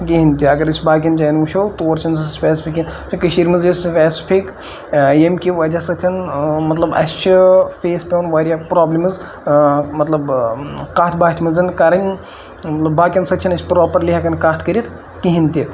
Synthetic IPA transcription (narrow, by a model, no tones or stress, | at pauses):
kiɦinʲt̪iɐɡɐɾɨsʲʰbaːk̬ʲɐnd͡ʒajnuʃʰot̪oːɾt͡ʃʰɐnsɐspʲɛːsi̥pʰikinsikɐʃiːɾʲmɐzjisfʲɛːsi̥pʰik | jemkʲiʋɐd͡ʒasɐt̪ʲʰɐnmɐt̪lɐbɐ̰st͡ʃʰifeːspʲewnʋaːɾijapɾoːblʲimɨz | mɐt̪lɐbkaːt̪ʰbaːt̪ʰmɐzɐnkɐɾɐnʲ | mɐt̪lɐbːaːkʲinsɐt͡ʃʰɐnɐt͡ʃʰʲpɾoːpɐɾlʲiɦɐkɐnkat̪ʰkɐɾʲit̪ | kiɦinʲt̪ʲi